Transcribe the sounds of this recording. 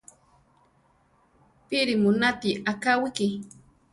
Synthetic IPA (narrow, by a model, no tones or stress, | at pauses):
pɪɾɪmʊnat̪iakawɪkɪ